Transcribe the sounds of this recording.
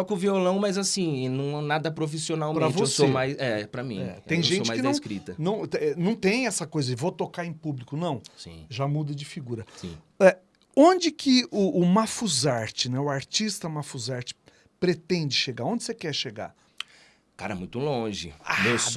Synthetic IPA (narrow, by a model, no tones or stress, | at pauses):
sɔkɪʊviolɐ̃w̃mɐjzasĩnɐ̃w̃ɛnad̪ɐpɾofisionawmpɾ̃eɾɐt͡ʃvoɪessomajsɛpɾɐmĩɛ̰ẽj̃ʒẽot͡ʃɪmajkɪnɐ̃wskɾit̪ɐnɐ̃w̃ɛnɐ̃w̃t̪ẽj̃ɛsɐkojzɐevot̪okaɾẽj̃publikʊnɐ̃w̃sḭ̃ʒamud̪ɐd͡ʒɪfiɡuɾɐsḭ̃ | ɛ | õd͡ʒɪkʰɪʊʔʊmafuzaɾt͡ʃɪnɛʊaɾt͡ʃist̪ɐmafuzaɾt͡ʃɪ̥ | pɾet̪ẽnd͡ʒɪʃeɡaɾõnd͡ʒɪsekɛɾʃeɡa̰ɾ | ka̰ɾɐ̰mṵ̃j̃t̪ʊlõʒɪ̰a̰es